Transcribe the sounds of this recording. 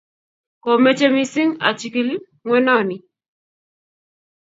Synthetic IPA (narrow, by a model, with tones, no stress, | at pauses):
kɔ˨mɛ˦t͡ʃe˦mi˦si˦ŋa̰˨t͡ʃi˨ki˦l | ŋwɛ˦nɔ˦˨ni˨